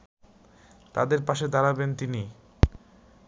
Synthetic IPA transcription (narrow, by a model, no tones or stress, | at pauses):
t̪a̰d̪eɾpaʃed̪aɾabent̪ini